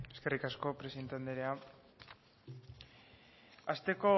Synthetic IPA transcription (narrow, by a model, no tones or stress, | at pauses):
eskerikasko̞pɾesient̪and̪eɾea | ast̪e̞ko̞